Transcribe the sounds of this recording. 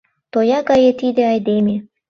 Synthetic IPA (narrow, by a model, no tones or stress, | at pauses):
t̪ojɑɡɑjet̪id̪ĕɑjd̪emʲe